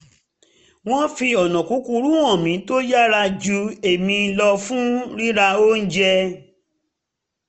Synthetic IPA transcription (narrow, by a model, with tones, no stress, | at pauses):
w̃ɔ̃˦fi˧ɔ˨nɔ̃˨ku˨˦ku˧ɾu˦w̃ɔ̃˦˨mĩ˨˦to˦ja˦ɾa˧d͡ʒu˨˦e˨mĩ˧˦lɔ˧fũ˦ɾĩ˦ɾa˧o˦n̩˦d͡ʒɛ˧